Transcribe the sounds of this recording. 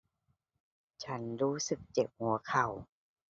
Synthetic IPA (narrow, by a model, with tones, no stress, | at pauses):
t͡ɕʰa˦˥nɾuː˦˥sɯ˨˩k̚t͡ɕe˨˩p̚hu˩˦ɐkʰa˨˩w